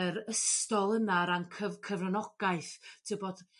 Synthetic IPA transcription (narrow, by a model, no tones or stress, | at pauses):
əɾəstɔlˠənaɾankʰəvkʰəvrənɔɡ̥aɨθtʰəbɔd̥